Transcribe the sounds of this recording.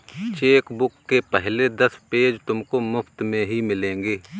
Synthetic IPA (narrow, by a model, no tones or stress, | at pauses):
t͡ʃeːkbʊkːepɛɦled̪ɐspeːd͡ʒt̪ʊmkomʊpʰt̪mẽɦimɪlẽːŋɡeː